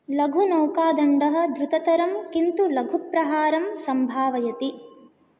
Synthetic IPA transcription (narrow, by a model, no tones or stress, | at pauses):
lɐɡʱunɐːkaːd̪ɐɳɖɐɦɐ̆d̪ɾut̪ɐt̪ɐɾɐmkint̪ulɐɡʱupɾɐɦaːɾɐmsɐmbʱaːʋɐjɐt̪i